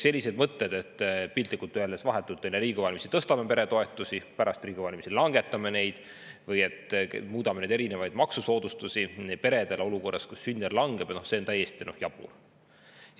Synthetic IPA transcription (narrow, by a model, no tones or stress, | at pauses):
se̞lʲːise̞d̪mɤt̪ːe̞d̪̥e̞t̪ːpilt̪likːˑult̪ːyelesvɑɦe̞t̪ːˑult̪ːˑenːeɾiːɡuvɑlʲmisit̪ɤst̪ɑmepe̞ɾe̞t̪o̞e̞t̪ːˑusipæɾɑst̪riːɡ̥uvɑlʲmisilɑŋɡ̥e̞t̪ːˑɑme̞ne̞jd̪̥ | vɤje̞t̪ːmuːd̪ɑmenejd̪e̞ɾine̞vɑjd̪mɑksuso̞ːd̪̥ust̪usinpe̞ɾe̞d̪̥e̞leo̞luko̞rːɑ̰skusːynʲːerlɑŋɡe̞b̥nohse̞ont̪æjːest̪inohjɑb̥ṵl